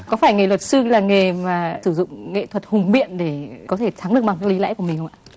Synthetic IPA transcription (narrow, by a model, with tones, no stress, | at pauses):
kɔ˨˦faː˧˩jŋe˨˩lwə˨˩t̚sɨ˧laː˨˩ŋe˨˩maː˨˩sɨ˧˩zʊ̰˧˨ŋ͡mŋḛ˧˨t̪ʰwə˨˩t̚hʊ˨˩ŋ͡mɓḭ˧˨ənɗe˧˩kɔ˨˦t̪ʰe˧˩t͡ɕ̪ʰa˨˦ŋɗɨ˨˩əɓa˨˩ŋkaː˨˦˥kli˨˦la̰ː˧˥jku˧˩əmi˨ŋ̟xə˧wŋ͡mʔaː˧˨